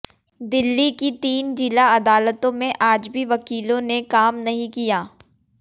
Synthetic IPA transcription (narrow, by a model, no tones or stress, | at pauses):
d̪ɪlːikit̪iːnd͡ʒɪlaɐd̪aːlət̪õmẽʔaːd͡ʒbʱiʋɐkiːlõnekaːmnɐɦĩkijaː